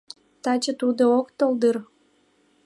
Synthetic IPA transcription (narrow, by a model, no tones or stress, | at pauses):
t̪ɑt͡ɕə̆t̪ud̪ookt̪old̪ɨr